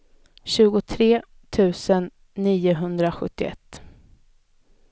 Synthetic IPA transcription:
ɕʉ̟ːɡʊt̪ʰɾeː | t̪ʰʉ̟ːsənː | iːʊɦɵnd̪ɾaɧɵ̰t̪ːɪɛ̰t̪ː

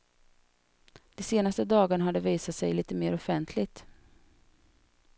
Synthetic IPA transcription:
d̪̥ɛseːnast̪əd̪ɑːɡaɳaɦad̪ːəviːsat̪sɛjliːt̪əmeːɾɔfɛnt̪ʰlɪɡt̪

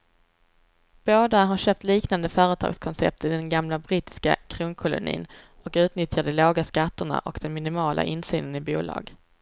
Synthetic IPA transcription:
b̥oːd̪aɦaɾɕøːp̚t̪liːknand̪əfœːɾət̪ʰɑ̰ːɡskʰɔnsɛ̰p̚t̪ɪd̪ɛnɡamlabɾiːt̪ɪ̥ska̰kʰɾuːnkʰʊlʊ̰nḭːnɔkʉ̟ːt̪nʏt̪jad̪əloːɡaskat̪ːʊɳa̰ʔɔ̰kd̪ɛnmɪnɪmɑːlʔa̰ʔɪnsy̰ːnənɪbuːlɑ̰ːɡ

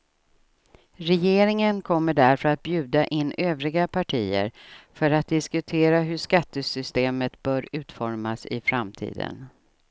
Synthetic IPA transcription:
ɾɛjeːɾɪŋənkʰɔmːəɖæɾfœɾat̪̚bjʉ̟ːd̪aʔɪnːøːvɾɪɡapʰaʈʰiːə̰ɾfœɾat̪̚d̪ɪskɵt̪ʰeːɾaɦɵʂkat̪ːəsʏst̪eːmət̪bœːɾʉ̟ːt̪fɔɾmasɪ̰fɾamt̪ʰḭːd̪ə̰n

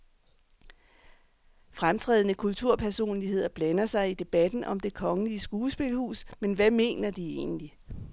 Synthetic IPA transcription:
fʁamt͡sʰʁɛ̰ːð̞ˠnəkʰult͡sʰuɐ̰pʰæɐso̝̰ːnliɦe̝ð̞̰ˠɐb̥lænɐsɑ̈ɪid̥e̝b̥æd̥n̩ʔɒ̽md̥e̝kʰɒ̽ŋəliəsɡ̥uːsb̥e̝lhṵːsmenʋæme̝̰ːnɐd̥ie̝̰ːnli

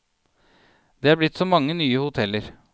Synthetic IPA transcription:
d̪̥ɛːɑɾblɪt̪ːsɔmɑŋːənyːəhʊt̪ʰɛlːəɾ

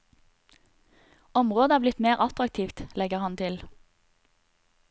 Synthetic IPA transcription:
ɔmʁoːd̪əæːʁblɪt̪meːʁʔɑt̪ʁɑk̚t̪ʰiːft̪lɛɡəʁhɑnt̪ʰɪl

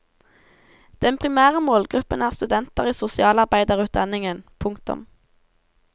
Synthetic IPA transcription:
d̪̥ɛnpʰʁɪmæːʁəmoːlɡʁʉpənæːʁst̪ʉd̪ɛnt̪əʁiːsʊsɪɑːlɑʁbæɪd̪əʁʉːt̪̚d̪ɑnɪŋənpʰʊŋk̚t̪ʊ̰m

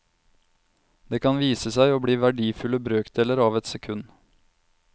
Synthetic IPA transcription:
d̪̥eːkʰɑnʋiːsəsæɪoːbɽiːʋæɖiːfʉləbɾøːkd̪eːləɾɑːʋɛt̪sɛkʰʉn

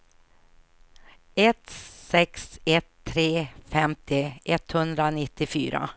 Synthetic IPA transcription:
ɛt̪sɛksɛt̪ʰːɾeːfɛmt̪ɪʔɛt̪hɵnd̪ɾanɪt̪ːɪfy̰ːɾa̰

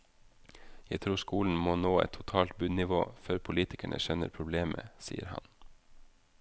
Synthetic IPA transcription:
jæɪt̪ʰɾuːskuːln̩moːnoːɛ̰t̪ʰːʊt̪ʰɑːlt̪̚bʉːd̪nɪʋo̰ːføːɾpʰʊliːt̪ɪkæɳʔə̰ʃɛnəɾpʰɾʊbleːmʔə̰sḭːəɾhɑ̰n

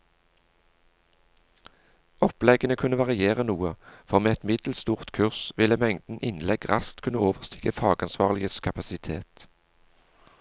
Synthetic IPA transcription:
ɔplɛɡənəkʰʉnəʋɑʁɪeːʁənuːəfɔʁmeːɛt̪mɪd̪̥l̩st̪uːʁt̪kʰʉʁsʋɪləmɛŋd̪n̩ʔɪnlɛɡʁɑskt̪kʰʉnəoːʋəʁst̪ʰɪkəfɑːɡɑnsʋɑːʁlɪəskʰɑpɑsɪt̪ʰeːt̪

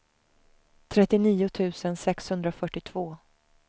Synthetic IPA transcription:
t̪ʰɾɛt̪ːɪniːʊt̪ʰʉ̟ːsənsɛkshɵnd̪ɾafœʈːɪt̪ʰv̥oː

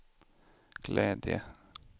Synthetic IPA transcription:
ɡ̥lɛːd̪jə̰

